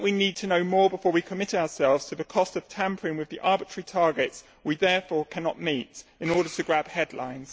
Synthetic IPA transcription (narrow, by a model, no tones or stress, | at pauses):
ʔwiniːd̚tʰənəʊmɔːbɪfɔːwikʰəmɪtaʊəsɛlˠvz̥tʰəðəkʰɒstəv̥tʰãmpʰəɹɪ̃nwɪðiʔɑːbɪt͡ʃɹ̥ə̥ɹitʰɑɹɡɪts | wiðɛːfɔːkʰanɒʔmiˑtɪ̃nɔɹɾətʰəɡɹab̥hɛdˡlã̰ɪ̃nz̥